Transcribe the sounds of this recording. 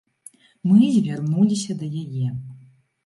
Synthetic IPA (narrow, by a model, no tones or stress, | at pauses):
mɨzʲvʲarnulʲisʲɐd̪ɐjajɛ